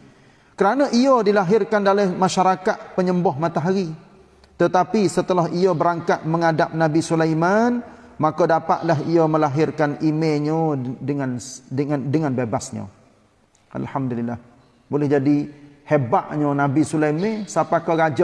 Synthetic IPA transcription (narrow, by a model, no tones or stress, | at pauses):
kəɾanəʔiədilaɦɪrkandalɛhmãʃaɾakat̪̚pəɲəmbɔɦmãt̪aɦaɾi | t̪ət̪apisət̪əlaɦiəbəɾaŋkat̪̚mə̃ŋadap̚nabisulajmanmakədapa̰ʔ̪laɦiəməlaɦɪrkanimẽɲədəŋandəŋandəŋanbebasɲə̰̃ | ʔa̰lhamdulilːah | bolɛhd͡ʒadihebaʔɲənabisulajmesapakəɡad͡ʒa